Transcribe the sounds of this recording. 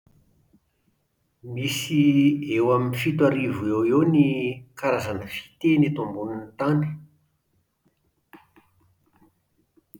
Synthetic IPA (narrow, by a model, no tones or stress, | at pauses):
misiewaminifit̪waɾivuewenikaɾazanəfi̥t̪enit̪umbuninit̪ani̥